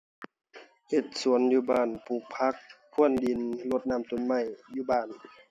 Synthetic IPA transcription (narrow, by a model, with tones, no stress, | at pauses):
he˧˩t̪̚su˩˦ənjuː˧˦baː˧˩npʰuː˧˩k̚pʰa˧˦˥k̚ːʰ | u˧˥˩əndi˨nlo˧˦t̪̚naː˧˥˨mt̪o˧˨nma˧˩jjuː˧˦baː˧˩n